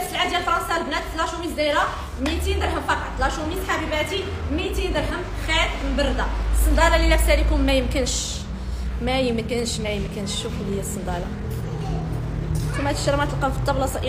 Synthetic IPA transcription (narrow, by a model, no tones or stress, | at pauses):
æfsəlʕad̪jælfɾˤɑnsɑlbnæt̪ːlɑʃumiziɾɑ | mit̪ind̪əɾˤɦəmfɑqɑt̪ːˤlɑʃuminħabibæt̪i | mit̪ind̪əɾɦəm | xæd̪bəɾˤd̪ɑsˤːənd̪ɑɾˤɑlilæfsælikʊmːæjəmkənʃ | mæjəmkːənʃmæjəmkənʃːuflhəjːæsˤːənd̪ɑɾˤɑ | t̪umːæt̪ə̥ʃɾˤmʕæt̪əlqɑfit̪ˤːɑblɑsˤɑʔ